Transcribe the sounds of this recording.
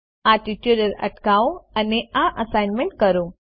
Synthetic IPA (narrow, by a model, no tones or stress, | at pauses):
aʈiʈjuɖəɾə̰ʈkaoəneʔaʔəsajnmẽɳʈ̚kəɾõ